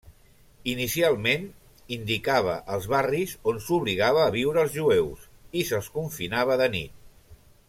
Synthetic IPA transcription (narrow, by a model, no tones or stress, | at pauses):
inisialˠmen | ind̪ikaβ̞ə̰ʔəlˠzβarizonsuβliɣaβəːβ̞iwɾəːlˠzʒuewsisəlˠskuɱfinaβəðənḭt̪̚